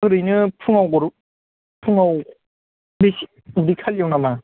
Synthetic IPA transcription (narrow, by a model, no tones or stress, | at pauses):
ɡɯɾɯjnɯpʰɯŋawɡɔɾu | pʰuŋaw | besi | ɾikʰaljawnama